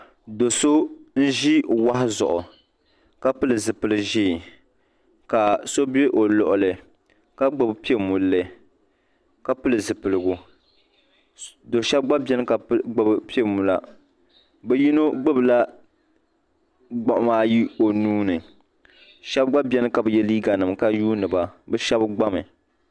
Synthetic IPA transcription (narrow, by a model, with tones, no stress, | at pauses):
do˨so˦n̩˦ʒi˦wa˦hɪ˦zʊ̰˨ʔʊ˨ | ka˦pɨ˦lɨ˨zɨ˨pɨ˨lɨ˦ʒiː˦˨ | ka˨so˦be˦ʔo˨lɔ˨ʔʊ˨lɨ˨ | ka˦ɡ͡bɨ˦˨bpi˦e˦mu˨lːɨ˨ | ka˦pɨ˦lɨ˨zɨ˨pɨ˨lɨ˨ɡʊ˨ | do˨ʃɛ˦b̚ɡ͡ba˦bɛ˦nɨ˦ka˨˦ɡ͡bɨ˦bɨ˦pi˦e˦˨mu˨la˦ | bɛ˦ji˦no˦ɡ͡bɨ˦bɨ˨la˦ | ɡ͡ba˨ʔʊ˨maː˦ji˦o˨nuː˦nɨ˨ | ʃɛ˦b̚ɡ͡ba˦bɛ˦nɨ˦ka˨bɨ˨jɛ˦liː˦ɡa˨nɨ˨mka˦juː˦nɨ˨ba˨bɛ˦ʃɛ˦bɡ͡ba˦mɨ˨